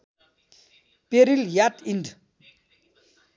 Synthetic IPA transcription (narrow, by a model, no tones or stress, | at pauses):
peɾiljatind